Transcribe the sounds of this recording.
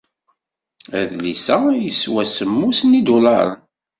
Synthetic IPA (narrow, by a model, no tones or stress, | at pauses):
æðlisæjəswæsəmːusnid̪ʊlɑɾˤən